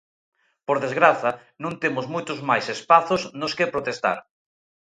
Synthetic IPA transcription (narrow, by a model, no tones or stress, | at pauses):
poɾðezɣɾaθɐ | nũŋt̪emʊzmojt̪ʊzmajsespaθosnʊskɪpɾot̪est̪a̰ɾ